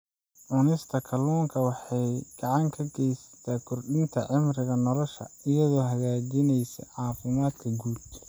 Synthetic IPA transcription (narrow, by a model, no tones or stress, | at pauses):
ʕʊnɪst̪ʰɐkʰɐlɔːŋkʰɐwɑħɑjɡ̥ɑʕɑŋkʰɐɡɛjsɐ̥t̪ʰaːkʰʊrɖɪnt̪ʰɐʕɪmrɪɣɐnɔlɔʃɐ̰ɪjɐðɔːɦɐɣaːd͡ʒɪnɛjsɐ̰ʕɑːfɪmaːd̪̚kʰɐɡuːd̪